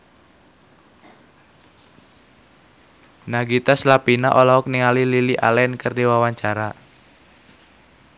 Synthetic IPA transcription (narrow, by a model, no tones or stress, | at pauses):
naɡit̪aslapinaʔolaɔk̚niŋalililiʔa̰lɛnkərdiwawaɲt͡ʃaɾa